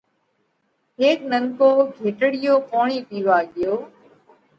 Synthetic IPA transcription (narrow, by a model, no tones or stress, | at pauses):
ɦeːknəŋkoːɡʱeːʈəɽɪjoːpoːɳ̃iːpiːʋaːɠɪjoː